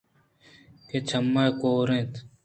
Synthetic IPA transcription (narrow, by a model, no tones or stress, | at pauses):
ket͡ʃʰɐmːajkoːɾẽːt̪